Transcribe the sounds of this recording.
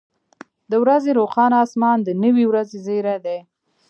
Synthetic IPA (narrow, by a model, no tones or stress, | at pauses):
d̪əwɾazeɾoxɑnɑsmɑnd̪ənəwiwɾazezeɾad̪e